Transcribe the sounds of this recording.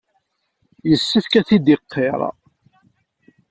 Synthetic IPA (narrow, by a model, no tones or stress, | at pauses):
jəsːəθkæθid̪iqʰːeɾˤɑ̰